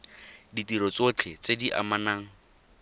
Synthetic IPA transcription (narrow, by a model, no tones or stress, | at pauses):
ditiɾɔt͡sot͡ɬʰet͡sediʔa̰manaːŋ̩